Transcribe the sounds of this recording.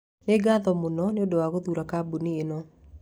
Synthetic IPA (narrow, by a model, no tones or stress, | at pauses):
neɡaðɔmonɔneodowaɣoðuːɾakabunienɔ